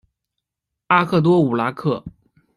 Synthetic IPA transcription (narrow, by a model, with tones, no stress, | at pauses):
a˥kʰɤ˥˩t̪̬wɔ˥u˨˩la˧˥kʰɤ˥˩